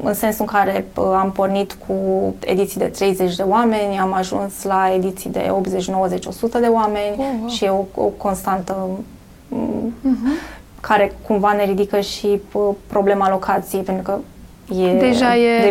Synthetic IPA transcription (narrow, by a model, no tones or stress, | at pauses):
ɨ̰nse̞nsuɨŋkaɾe̞əampo̞rnit̪kʰue̞̰d̪it̪sijd̪e̞t̪ɾe̞jze̞t͡ʃʲd̪e̞oame̞nʲamaʒṵnslae̞d̪it̪sid̪e̞̰o̞p̪ze̞t͡ʃno̞wəze̞t͡ʃo̞̰sut̪əd̪e̞oame̞nʲʃijeoo̰ko̞nst̪ant̪ə | kʰaɾe̞kumvane̞ɾid̪ikəʃiəpɾo̞ble̞malo̞kʰat̪sijejpe̞nt̪ɾukə | jed̪eʒajee